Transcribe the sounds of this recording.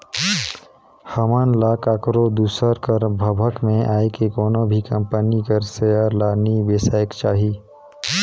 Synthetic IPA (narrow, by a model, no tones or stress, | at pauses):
həmaːnlaːkaːkɾod̪uːsəɾkəɾbʱəbʱəkmẽʔaːekekɔːnobʱikɐ̃mpənikəɾsejaɾlaːniʋesaːjəkt͡ʃaːɦiː